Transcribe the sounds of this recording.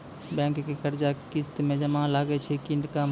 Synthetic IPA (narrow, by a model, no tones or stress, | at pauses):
bɛ̃kːekəɾd͡ʒakkist̪mẽd͡ʒəmãlaɡɛt͡ʃʰɛkiɳɖka